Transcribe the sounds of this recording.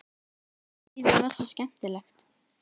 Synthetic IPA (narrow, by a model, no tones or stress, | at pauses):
ivɪvɛ̥sɔscɛm̥t̪ɪlɛxt̪